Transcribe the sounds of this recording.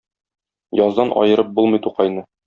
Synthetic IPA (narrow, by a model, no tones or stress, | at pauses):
jɒzd̪ɑnʔɒ̰jɤ̆ɾɤp̚bulˠmɤjt̪uqɑjnɤ